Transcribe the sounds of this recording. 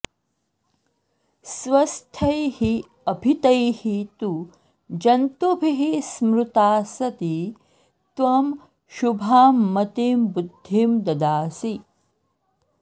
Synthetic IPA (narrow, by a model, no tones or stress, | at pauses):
sʋɐst̪ʰɐjhi | ɐbʱit̪ɐjhit̪u | d͡ʒɐnt̪ubʱiɦismɾut̪aːsɐt̪i | t̪ʋɐm | ʃubʱaːmːɐt̪iːmbud̪ʱːiːmd̪ɐd̪aːsi